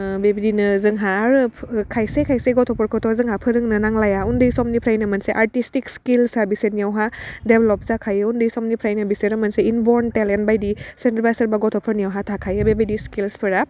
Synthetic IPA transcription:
bebidinɯzɯŋɦaɾɯkʰajsekʰajseɡɔtʰɔpʰɔɾkʰɔtʰɔzɯŋɦapʰɯɾɯŋnɯnaŋlajaundɯjsɔmnipʰɾajnɐmɐnseʔaɾtistikskilsabisenijawɦadeblɔp̚zakʰajɯundɯjsɔmnipʰɾajnɐbiseɾɯmɐnseinbɔɾntelentbajdisentɾbajsɐɾbaɡɔtʰɔpʰɔɾnijawɦatʰakʰajɯbebijdiskilspʰɯɾa

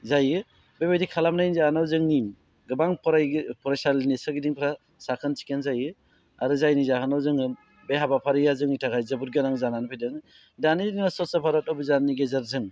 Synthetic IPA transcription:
zajɯ | bebejdikʰalamnajnzaanawzɯŋnim | ɡɯbaŋpʰɔɾajpʰɔɾasalinesɯɡidiŋpʰɾa | sakʰɯnsi̥kenzajɯ | aɾɯzajnizakanawzɯŋɯ | beɦabapʰaɾijazɯŋitʰakʰajzɯbuɾɡenaŋzananpʰejdɯŋ | danidiŋɔsɔsɔpʰaɾɔt̚ɔbɯzanːiɡezaɾzɯŋ

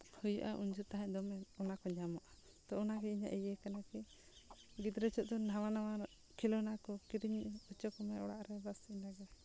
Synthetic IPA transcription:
hujaʔa̰ʔuɲd͡ʒut̪aɦaʔd̪ɔmɛɔnakɔɲamaʔa | t̪ɔɔnaɡɛiɲa̰ʔɛjɛkanaki | ɡit̪ɾɛt͡ʃɔʔ̚d̪ɔnawanawa | kʰilɔnakɔkiɾiɲɔt͡ʃɔkɔmɛɔ̰ɽa̰ʔɾɛbasinaɡɛ

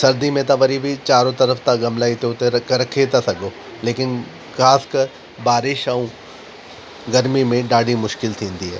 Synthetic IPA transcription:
sɐɾd̪imẽt̪ãʋɐɾibʱɪt͡ɕaːɾõt̪ɐɾəft̪ãɡɐmlaːit̪ʰiot̪eɾɐkɐɾɐkʰet̪ʰɐsɐɡʱo | leːkɪn | xaːskɐɾ | baːɾɪʃɐũ | ɡɐɾmimẽɖaːɖimʊʃkɪlt̪ʰĩːnd̪iɦɛ̰ː

